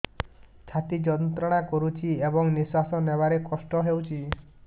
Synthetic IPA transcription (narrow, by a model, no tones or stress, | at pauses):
t͡ʃʰat̪id͡ʒɔnt̪ɾɔɽ̃akɔɾut͡ʃʰiebɔŋniswasɔnebaɾekɔsʈɔɦewt͡ʃʰi